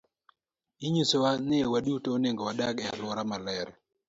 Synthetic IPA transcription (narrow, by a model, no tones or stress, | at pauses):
iɲusowanewadutoːneŋɡowadaɡɛa̰lwɔɾamalɛɾɛ